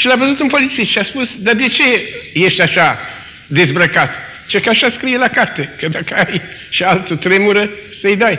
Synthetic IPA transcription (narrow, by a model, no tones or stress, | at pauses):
ʃilavəzut̪unpo̞lit̪sist̪ʃiaspusd̪ad̪e̞t͡ʃe̞jeʃt̪ʲaʃa | d̪e̞zbɾəkat̪ | t͡ʃekaʃaskɾijelakart̪e̞kəd̪akəajʃialt̪ət̪ɾe̞muɾəsəjd̪aj